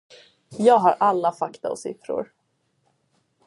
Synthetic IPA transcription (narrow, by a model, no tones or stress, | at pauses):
jɑːɡɦaɾʔalːafakt̪aɔsɪ̰fɾʊ̰ɾ